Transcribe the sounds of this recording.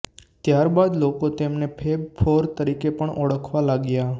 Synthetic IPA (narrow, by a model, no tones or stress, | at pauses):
t̪jaɾbad̪lokot̪emnepʰeb̚fʰoɾt̪əɾikepəɳʔɔɽəkʰʋalaɡja